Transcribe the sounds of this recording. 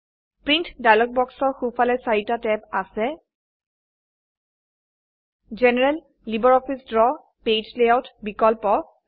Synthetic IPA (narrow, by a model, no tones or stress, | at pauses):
pɹintdajlɔk̚bɔksɔɹxufalɛsaɹitatɛpasɛ | zɛnɛɹɛlː | ibɔɹɔpʰisdɹɔ | ped͡ʒleawtbikɔlpɔ